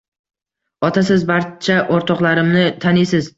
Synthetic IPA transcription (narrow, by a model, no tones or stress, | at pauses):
ɒt̪ʰas̬ɪzbaɾt͡ʃʰaʔoɾt̪ʰɒqlaɾɪmnɪt̪ʰanɪsɪz